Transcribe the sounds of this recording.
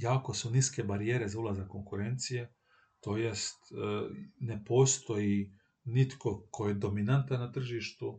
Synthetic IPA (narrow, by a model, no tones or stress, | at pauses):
jaːko̞suniske̞baɾijeːɾe̞zaulˠazakːo̞ŋkuɾent̪sije | t̪o̞jest̪ | ne̞po̞ːst̪o̞ji | nit̪ko̞kʰo̞jed̪o̞minant̪anːat̪r̩ʒiːʃt̪u